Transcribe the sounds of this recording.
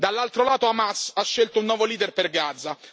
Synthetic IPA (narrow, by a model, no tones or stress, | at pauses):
d̪alːalt̪ɾolaːt̪oamasaʃːelt̪ounːwɔːvoliːd̪erperɡad̪zːa